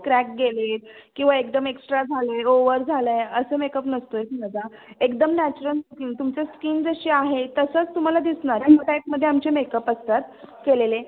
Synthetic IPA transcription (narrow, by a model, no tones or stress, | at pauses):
kɾæk̚ɡeleɾkĩw̃ʋaek̚d̪əmeksʈɾad͡zʱaləoʋəɾd͡zʱaləəsəːmekəpnəst̪oet̪inəd͡zaekd̪əmnæt͡ɕuɾəlskiːnt̪umt͡seskiːnd͡zəɕiːaɦet̪əsət͡st̪um̤alad̪isɳaɾaəʈ̪ak̚məd̪ʱːjeamt͡ɕemekəpəst̪at̪kelele